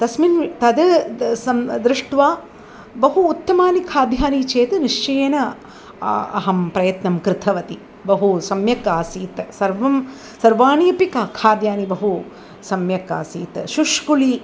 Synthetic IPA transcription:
t̪ɐsmint̪ɐd̪ɐsɐmd̪ɾɪʂʈʋaː | bɐɦuːt̪ːɐmaːnikʰaːd̪jaːnit͡ʃeːt̪ɐniʂt͡ʃɐjɐnɐ | ɐ̰ɦɐmpɾɐjɐt̪nɐmkɾɪt̪ʰɐʋɐt̪i | bɐɦusɐmjɐkaːsiːt̪sɐɾʋɐm | sɐɾʋaːɳijɐpikɐkʰaːd̪jaːnibɐɦu | sɐmjɐka̰ːsiːt̪ʃuʃkuli

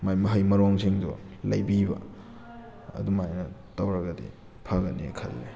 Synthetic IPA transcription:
majmɐɦɐjmɐɾoŋsʰiŋdɔ̰ | lɐ̰jbibɐ̰ | ɐ̰dumajnɐ | tawɾɐɡɐdḭ | pʰaɡɐnḛkʰɐ̰lːe

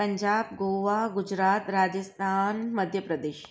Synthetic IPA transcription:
əɲd͡ʒaːb̚ɡoːʋaɡud͡ʒɾaːt̪ɾaːd͡ʒəst̪ʰaːnməd̪ʱjəpɾɐd̪eːʃ

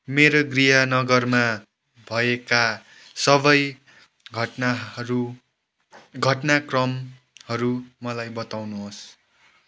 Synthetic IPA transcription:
meɾoɡriɦʌnʌɡʌrma | bʱʌeka | sʌbʌj | ɡʱʌʈnaɾu | ɡʱʌʈnakrʌm | hʌɾumʌlajbʌt̪awnuɦos

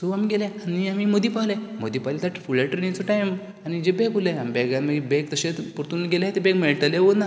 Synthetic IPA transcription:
soamiɡeleaniamimod̪iːpalemod̪iːpalet̪aʈfuɭeʈɾenit͡soʈajm | añid͡ʑebekuleamibɛɡaməɡibekt̪əɕet̪puɾt̪unɡelaɦet̪ebekmeɭʈəleʋona

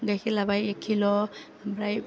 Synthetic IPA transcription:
ɡajkʰilabajekʰːilɔ | bɾaj

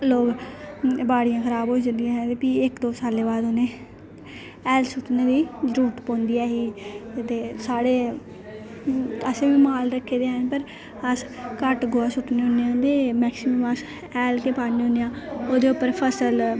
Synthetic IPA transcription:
loːɡ | baːɽɪjãːkʰəɾaːboːid͡ʒənd̪ijãːɦɛ̃ːt̪eːpiːɪkd̪oːsaːlːeːbaːd̪oːnẽː | ɛːlsʊʈnẽːd̪iːɾuːʈpõːnd̪iːɛːɦiːt̪eːsaːɽeː | əseːbiːmaːlɾəkʰːeːd̪eːɦnpəɾ | əs | kəʈɡoːaːsʊʈneːɦõnejãːd̪eːmɛːksɪməməs | ɛːlkeːpaːniõːnejãːoːd̪eːʊpːəɾpʰəsəl

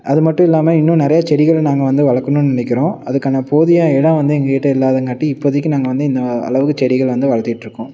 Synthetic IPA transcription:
ɐðɯmɐʈːʊ̃ɪlːaːmɐɪnːʊ̃nɪɾɐjaːt͡ʃɛɽɪɣɐɭnaːŋɡɐʋɐnd̪ɯʋɐɭɐkːɐnɯ̃nnɪnɛk̬ʲːɪɾõːɐðɯkːaːnɐpoːðɪjaːɛɽɐ̃ʋɐnd̪ɯɛŋɡɐkeːʈːɐɪlːaːðɐŋkaːʈːiɪpːoðɐk̬ʲːɯnaːŋɡɐʋɐnd̪ɯɪnd̪ɐɐ̰ɭɐʋɯkːɯt͡ʃɛɽɪɣɐɭʋɐnd̪ɯʋɐɭɐɾt̪ːɪʈːɪɾɯkːʊ̃

